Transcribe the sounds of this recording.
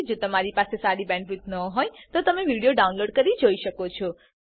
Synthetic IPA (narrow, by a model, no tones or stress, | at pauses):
d͡ʒot̪əmaɾipasesaɾibɛ̃ɳɖʋut̪nəɦojt̪ot̪əmeʋiɽijoɖaunloɖkəɾid͡ʒoiʃəkot͡ʃʰɔ